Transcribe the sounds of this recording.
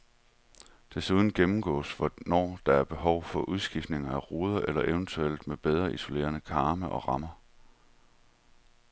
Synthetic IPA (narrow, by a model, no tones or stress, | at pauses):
d̥e̝suð̞ˠn̩ɡ̥emm̩ɡ̥ɔ̰̽ːsʋɒnɒ̰ːd̥ɑ̈æɐb̥e̝ɦɒʊfɒ̽ʔuð̞ˠsɡ̥ifd̥ne̝ŋɐæʁoːð̞ˠɐʔelɐʔeʊnt͡sʰuel̰d̥meb̥eð̞ˠʁɐiso̝le̝̰ːɐnəkʰɑ̈ːməʔɒ̽ʁɑ̈mɐ